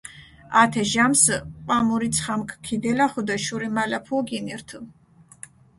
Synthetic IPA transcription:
at̪ʰɛʒamsqʼamuɾit̪sʰχamkʰkʰːid̪ɛlaχud̪ɛʃuɾimalapʰuɔɡinɛɾt̪ʰu

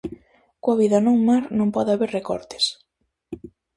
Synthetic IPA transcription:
koaβiðɐnõŋmaɾnõmpɔðaβeɾrekɔ̰ɾt̪ɪ̥s

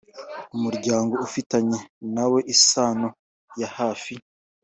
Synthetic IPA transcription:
umuɾɟaːŋɡo̞ufitaɲe̞nawe̞ʔisaːno | jahaːfi

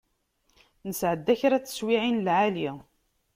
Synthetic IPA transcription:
nəsʕəd̪ːæçɾæt͡sːə̥swiʕinlʕali

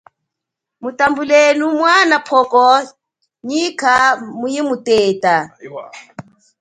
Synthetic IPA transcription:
mutambulenumwanapʰɔkɔ | ɲikʰamujimutɛːtʼa

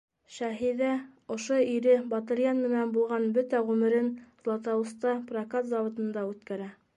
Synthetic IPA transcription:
ʃæɦiðæŏʃoiɾɘbɑt̪ɤ̆ɾjɑnmɘ̆nænbulˠʁɑnbɵt̪æʁʉmɘ̆ɾɘnzlˠɑt̪ɑwust̪ɑprɐkat̪zɑwŏt̪ɤ̆nd̪ɑʉt̪kæɾæ

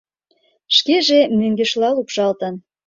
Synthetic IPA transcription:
ʃkeʒemyŋɡĕʃlɑlupʃɑlt̪ə̆n

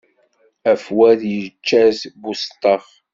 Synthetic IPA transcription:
æfwæðjət͡ʃːæzbust̪ˤːɑχ

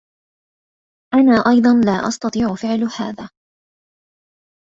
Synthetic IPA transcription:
ʔanaːʔɑjd̪ˤɑnlaːʔɑ̰st̪ɑt̪ˤiːʕʊfɪʕlhaːðaː

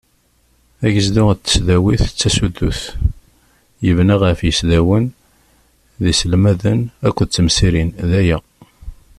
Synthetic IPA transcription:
æʝəzd̪ʊt͡s̪ːə̥sðæwiθt͡sːæsud̪ːuθ | jəvnaʁəfjəsðæwən | ðisəlmæðənækʷːəðt͡sːəmsiɾinðæjæ

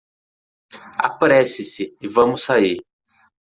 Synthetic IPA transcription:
a̰pɾɛsɪsɪɪvɐ̃mʊsai

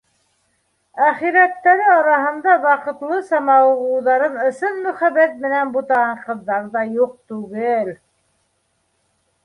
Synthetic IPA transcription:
æχiɾæt̪ːæɾɘɑɾɑɦɤ̆nd̪ɑwɑqɤ̆t̪lˠɤsɑmɑwʁuwðɑɾɤnɵ̆sɤnmɵ̆χæβæt̪̚mɘ̆nænbut̪ɑʁɑɴqɤ̆ðːɑɾðɑjuq̚t̪ʉɡɘl

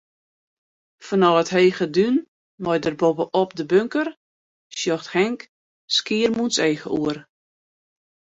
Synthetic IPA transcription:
fɔnɔətɦeːɣədyn | mɔjdərbobəʔɔpdəbøŋkər | sjɔxthɛŋk | skiərmunseːɣəʔuər

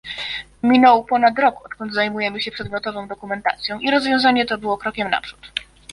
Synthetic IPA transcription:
mʲinɔwpɔnat̪ɾɔkɔt̪kɔnd̪zajmujɛmɘɕɛpʂɛd̪mʲjɔt̪ɔvɔ̃w̃d̪ɔkumɛnt̪a̰t̪sʲjɔ̃w̃ʔiɾɔzvjɔ̃w̃zaɲɛt̪ɔbɘwɔkɾɔkʲɛmna̰pʂu̥t̪

